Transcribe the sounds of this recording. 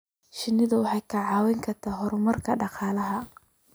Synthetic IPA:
ʃɪnːɪðɐwɑħɑjkʰɐʕɑːwɛŋkʰɐrt̪ʰaːɦɔɾʊmɐrkʰɐɖɑqɑːlɐɦɐ

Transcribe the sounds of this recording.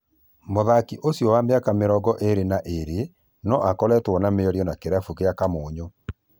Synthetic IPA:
moðakiʔosjɔwameakameɾɔɡɔʔeɾenaʔeɾe | nɔʔakɔlɛtwɔnameɔɾjɔnakeɾafukeakamoːɲo

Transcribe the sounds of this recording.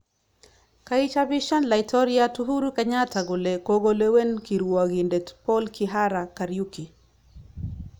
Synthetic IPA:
kait͡ʃabiʃanlaitʰɔɾiatuɦuɾukaɲatʰaɡʊlekoɡolewenkiɾwaɣindɛtpɔlkʰiɦaɾakaɾjuki

